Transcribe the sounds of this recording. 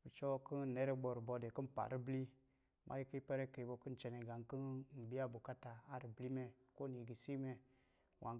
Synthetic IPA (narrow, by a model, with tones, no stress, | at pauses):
u˨t͡ʃɔ˦kə˦n˨ne˦ɾe˦bo˨ɾbo˧de˨kə˦n˨pa̰˨ɾi˦bli˦ | mʔa̰˦ji˦ki˦pe˦ɾe˦ke˨bo˨kə˦n˨t͡ʃe˨ne˨ɡa˨ŋkə˦n˦m̩˨bi˦a˦bu˨ka˦ta˨a˦ɾi˨bli˦me˦ko˦ni˨ɡi˨si˦me˦ | wʔa˨